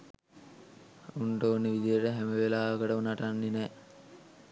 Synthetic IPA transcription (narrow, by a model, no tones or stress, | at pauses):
uɳʈoːnːəʋid̪ijəʈəɦæməʋelaːəkəʈəunaʈanːenɛː